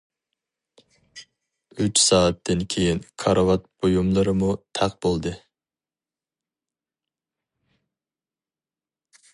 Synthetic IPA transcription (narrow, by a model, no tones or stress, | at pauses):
yt͡ʃsɑːɨt̪ʰːɪnkʲʰejinkʰɑɾɑvɑt̪̚b̥ojumlˠɨɾɨmut̪ʰɑqb̥olˠd̪ɨ